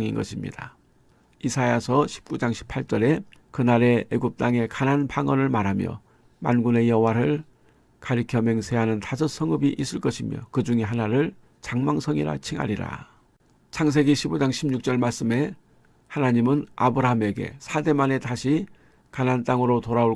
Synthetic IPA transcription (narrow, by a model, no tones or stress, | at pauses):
ŋinɡʌɕʰimɲḭda | isʰajasʰʌɕʰi̥p̚k͈ud͡ʑaŋɕʰi̥pʰaɭt͡ɕ͈ʌɾe̞kɯnaɾe̞eɡup̚t͈aŋe̞kananpaŋʌnɯɭmaɾɦamjʌ̰ | ma̰nɡune̞jʌɦwaɾɯɭ | kaɾikʰjʌme̞ŋsʰe̞ɦanɯntasʰʌs͈ʰʌŋɯbiʔis͈ɯɭk͈ʌɕʰimjʌ̰kɯd͡ʑuŋeɦanaɾɯɭ | t͡ɕaŋmaŋsʰʌŋiɾa̰t͡ɕʰiŋɦa̰ɾiɾa̰ | t͡ɕʰaŋs̬ʰe̞ɡiɕʰibod͡ʑaŋɕʰimɲuk̚t͡ɕ͈ʌɭmaɭs͈ɯme̞ | hanaɲimɯnabɯɾaɦame̞ɡe̞̰sʰade̞mane̞taɕʰi | kanant͈aŋɯɾotoɾao